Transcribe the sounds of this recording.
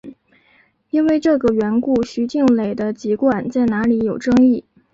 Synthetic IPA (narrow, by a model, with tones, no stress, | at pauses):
i˥nwe˥˧ɪʈ͡ʂɤ˥˩ɡə˩ɥɛ˧˥nku˥˩ɕy˧˥t͡ɕi˥˩ŋle˨˩ɪd̪ə˦t͡ɕi˧˥kwa˨˩nt͡sa˥˩ɪna˧˥li˧˥jo˨˩ʊʈ͡ʂɤ˥ŋi˥˩